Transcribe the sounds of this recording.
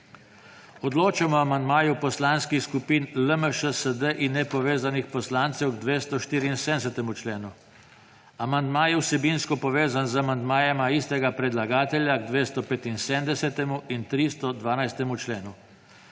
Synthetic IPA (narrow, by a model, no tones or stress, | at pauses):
ɔd̪loːt͡ʃɛmɔamand̪maːjupɔslanskixskupiːnləməʃəsəd̪əʔinːɛpɔʋeːzanixpɔslaːnt̪sɛwɡd̪ʋeːst̪ɔʃt̪iːɾiːnsed̪ɛsɛt̪ɛmut͡ʃleːnu | amand̪maːjɛwsɛbiːnskɔpɔʋeːzanzamand̪maːjɛmaist̪ɛɡapɾɛd̪laɡaːt̪ɛlʲjaɡd̪ʋeːst̪ɔpeːt̪insemd̪ɛsɛt̪ɛmuint̪ɾist̪ɔd̪ʋaːnajst̪ɛmut͡ʃleːnu